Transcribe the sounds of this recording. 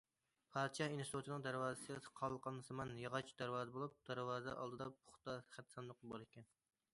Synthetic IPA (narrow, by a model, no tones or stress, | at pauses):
pʰɑd̪t͡ʃʰɑhinsɾut͡ʃ̪ʰɪnɨŋd̪æɾwɑːzɨsɨsqʰɑlˠːqɑnɨsɨmɑnjɑʁɑt͡ʃʰd̪æɾwɑːzɨbolˠup̚d̪̥æɾwɑːzɛ̰ʔɑ̰lˠd̪ɨd̪ɑpʰʊχt̪ɑχæt̪sɑnlˠəqlˠɨbɑɾˠɪkʲʰɛn